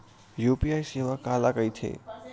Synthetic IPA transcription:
juːpiaːjseːʋakaːlakəjt̪ʰḛ

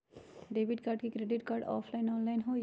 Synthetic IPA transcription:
ɖeːbiʈkaːɾɖkikɾeɖɪʈkaːɾɖɔ̰ːpʰlaɪnɔːnlaɪnɦo

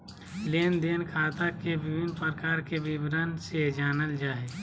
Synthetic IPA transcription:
leːnd̪eːnkʰaːt̪akebɪbɪnpəɾkaːɾkebɪbɾənsed͡ʒaːnəld͡ʒaːe

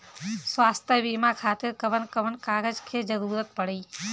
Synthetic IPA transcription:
swaːst̪ʰjəbiːmakʰaːt̪ɪɾkəʋənkəʋənkaːɡəd͡ʒkʰed͡ʒəɾuːɾət̪̚pəɽeː

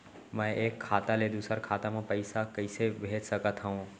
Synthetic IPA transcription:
mɛ̃eːkʰːaːt̪aled̪uːsəɾkʰaːt̪amãpəɪsakəɪsebʱeːt͡ʃsəkət̪ɦəɦũ

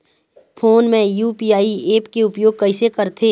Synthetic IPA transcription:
pʰoːnmẽjuːpiːaːieːpkeʊpjoːɡ̚kɐisekɐɾt̪ʰe

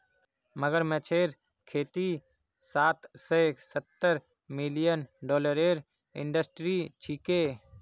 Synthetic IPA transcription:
məɡəɾmɛ̃t͡ʃʰeːɾ | kʰeːt̪i | saːt̪sesət̪ːəɾ | mɪlijənɖɔːləɾeːɾ | ɪ̰̃ɳɖəsʈɾit͡ʃʰiːkeː

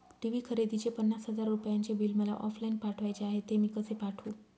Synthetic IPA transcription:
ʈiʋiːkʰəɾed̪it͡ɕepənːasɦəd͡zaɾːupjaɲt͡ɕebilməla̰ʔɔflainpaʈʰʋajt͡ɕeaɦet̪ːemiːkəsepaʈʰu

